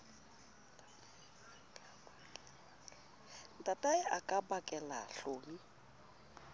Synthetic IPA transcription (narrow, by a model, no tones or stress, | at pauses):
ntʼatʼaɪʔakʼabakʼɛla̰ɬoːmi